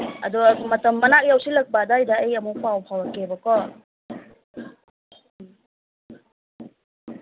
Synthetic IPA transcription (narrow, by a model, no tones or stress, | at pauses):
ɐdumɐtɐmːɐnak̚jawsilɐk̚badajdaejɐmupʰawpʰawakebɐkɔ